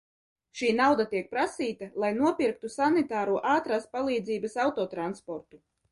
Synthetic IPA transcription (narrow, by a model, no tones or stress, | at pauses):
ʃiːnawd̪at̪iɛk̚pɾasiːt̪alˠajnuɔpʲiɾk̚t̪usanit̪aːɾuːʔaːt̪ɾaːspalˠiːd̪ziːbasawt̪ɔːt̪ɾanspɔɾt̪u